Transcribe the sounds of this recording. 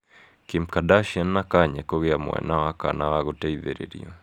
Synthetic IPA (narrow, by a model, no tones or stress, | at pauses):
kimkadaʃianːakaɲɛkoɣeamo̰ɛ̰nawaka̰nawaɣotɛiðeɾḛɾḭo